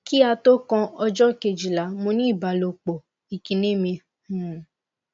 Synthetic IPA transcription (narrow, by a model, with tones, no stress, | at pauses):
ki˦a˧to˦kɔ̃˧ɔ˧d͡ʒɔ˦ke˨d͡ʒi˨la˨˦mũ˧nĩ˦i˦˨ba˨lo˨k͡po˨ | i˨kĩ˨nĩ˦mĩ˧˨